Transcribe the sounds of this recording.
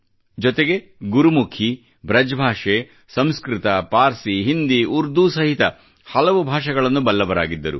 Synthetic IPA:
d͡ʒɔt̪eɡe̞ | ɡuɾumukʰi | bʱɾɐd͡ʒbʱaːʂe | sɐmskɾɪt̪ɐpaːɾsiɦind̪iʔuɾd̪usɐɦit̪ɐ | hɐlɐʋubʱaːʂɐɡɐɭɐnːubɐlːɐʋɐɾa̰ːɡid̪ːɐ̰ɾṵ

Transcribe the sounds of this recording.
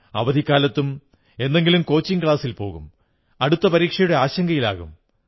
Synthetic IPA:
ɐ̰ʋɐd̪ʱikːaːlɐt̪ːum | e̞nd̪e̞ŋɡilumko̞ːt͡ɕːiŋkɭaːsilpo̞̰ːɣṵm | ɐɽut̪ːɐpɐɾiːkʂɐjuɽe̞aːɕɐŋɡɐjila̰ːɣṵm

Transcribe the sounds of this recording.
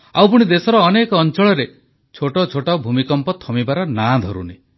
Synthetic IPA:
awpuɽ̃id̪esɔɾɔːnekɔːnt͡ʃɔɭɔɾe | t͡ʃʰoʈɔt͡ʃʰoʈawbʱumikɔmpɔt̪ʰɔmibaɾɔnad̪ʱɔɾṵni

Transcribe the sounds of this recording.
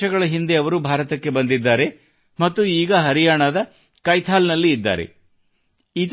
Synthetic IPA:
ɐɡɐɭɐɦind̪e̞ɐʋɐɾubʱaːɾɐt̪ɐkːe̞bɐnd̪id̪ːaːɾe̞ | mɐt̪ːuiːɡɐɦɐɾijaːɳɐd̪ɐ | kɐjt̪ʰaːlnɐlːiːd̪ːa̰ːɾe̞̰ | iːt̪

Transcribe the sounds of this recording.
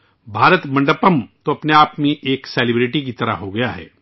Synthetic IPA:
bʱaːɾət̪mɐ̃ɳɖəpəmt̪oɐpneaːpmẽʔeːksɛːlɪbɾɪʈik̬it̪ɐɾə̰ɦoɡɐjaɦɛ̰ː

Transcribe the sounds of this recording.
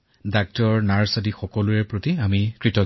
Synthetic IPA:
dak̚tɔɹnaɹsadixɔkɔluɛpɹotiamikɹitɔ

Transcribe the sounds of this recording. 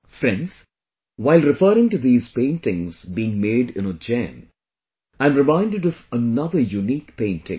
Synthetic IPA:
fɾɛ̃nɖz̥ | waɪlɾɪfəːɾɪ̃ŋʈuðiːz̥pẽɪ̃nʈɪ̃ŋzbiːɪ̃ŋmeːɖɪ̰̃nəd͡ʒæ̰̃n | ãɪ̃mɾɨmãɪ̃nɖɨɖɔvənʌðəjuniːkpẽɪ̃ntʰɪ̰̃ŋ

